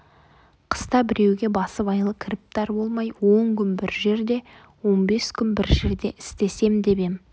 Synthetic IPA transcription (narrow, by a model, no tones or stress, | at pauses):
qʰə̥st̪ɑbɪɾe̞wɡʲe̞bɑsəpɑjlˠəkʲʰɪɾɪp̚t̪ɑɾbo̞lˠmɑjwo̞ŋkʲʰʏnbɪɾʒe̞ɾd̪e̞ | wo̞nbe̞skʲʰʏnbɪɾʒe̞ɾd̪e̞ʔɪst̪e̞se̞md̪e̞be̞m